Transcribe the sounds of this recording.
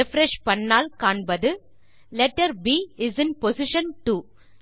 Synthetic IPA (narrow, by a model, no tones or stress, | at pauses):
ɛfɾɛʃpɐɳːaːlkaːɳbɐðɯ | lɛʈːɐɾbiːɪzɪ̃npɔsɪʃɐ̃nʈu